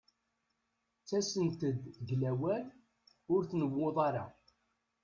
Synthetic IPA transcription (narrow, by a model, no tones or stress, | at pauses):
t͡sːæsənt̪əd̪ʝlæwæl | ʊɾθnəwːoðˤɑɾa̰